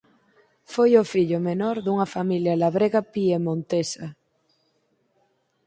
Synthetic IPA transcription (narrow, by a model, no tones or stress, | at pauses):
fojofiʎomenoɾðuŋafamiljalaβɾeɣapiemõnt̪esa